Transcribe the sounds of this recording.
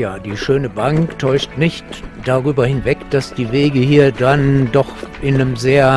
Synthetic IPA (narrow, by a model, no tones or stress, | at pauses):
jaːd̥iːʃøːnəbaŋktʰɔʏʃtnɪçtd̥aʁyːbɐhɪnvɛkd̥asd̥iːveːɡəhiːɐdandɔχʔɪnəmzeːɐ